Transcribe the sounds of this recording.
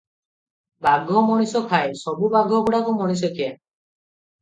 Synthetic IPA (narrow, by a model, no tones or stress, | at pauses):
baɡʱɔmɔɽ̃isɔkʰaesɔbubaɡʱɔkuɽakumɔɽ̃is̬ɔkʰia